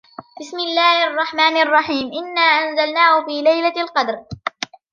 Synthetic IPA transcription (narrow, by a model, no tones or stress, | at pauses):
bɪsmɪlːaːhʔɑrˤːɑħmaːnʔɑrˤːɑħiːmʔɪnːaːʔanzalnaːhʊfiːlajlalqɑd̪ɾ